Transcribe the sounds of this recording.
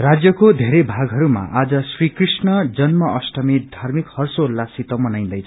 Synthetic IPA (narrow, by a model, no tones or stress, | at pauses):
rad͡zjʌkod̪ʱeɾebʱaɡɦʌɾuma̰ʔad͡zʌsrikrisnʌd͡zʌnmʌʌsʈʌmid̪ʱarmikhʌrsolːasit̪ʌmʌnaj̃nd̪ʌjt͡sʰ